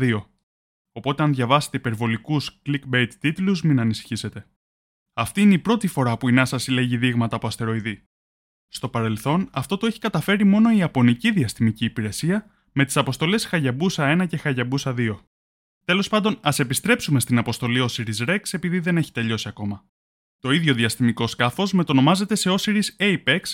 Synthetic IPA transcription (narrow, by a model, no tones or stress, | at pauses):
ðio̞ | o̞po̞t̪e̞ɐnðʝɐvɐse̥t̪eipe̞ɾvo̞likusklikbejt̪ːit̪uluzminɐnisi̥çise̞t̪e̞ | ɐft̪iineipɾo̞t̪ifo̞ɾɐpuinɐsɐsile̞ʝiðiɣmɐt̪ɐpo̞ɐst̪e̞ɾo̞iði | st̪o̞pɐɾe̞lθo̞nɐft̪o̞t̪oe̞çi̥kɐt̪ɐfe̞ɾimo̞no̞iɐpo̞niciðiɐst̪imiciːpiɾe̞siɐ | me̞t̪i̥sɐpo̞st̪o̞le̞sxɐʝɐbusɐe̞nɐce̞xɐʝɐbusɐðio̞ | t̪e̞lo̞spɐnd̪o̞nɐse̞pist̪ɾe̞psume̞st̪inɐpo̞st̪o̞lio̞siɾizɾe̞kse̞piðiðe̞ne̞çi̥t̪e̞ʎo̞siɐko̞mɐ | t̪o̞iðʝo̞ðiɐst̪imiko̞skɐfo̞zme̞t̪o̞no̞mɐze̞t̪e̞se̞o̞siɾiseipe̞ks